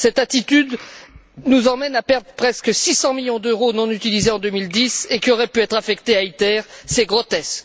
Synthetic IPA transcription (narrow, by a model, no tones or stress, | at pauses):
sɛt̪at̪it̪yd̪ | nuzɑ̃mɛnapɛʁd̪ʁpχɛskəsisɑ̃miljɔ̃d̪øʁonɔ̃nyt̪ilizeɑ̃d̪ømild̪isekʲiɔʁɛpyɛt̪χafɛkt̪eait̪ɛʁseɡʁɔt̪ɛsk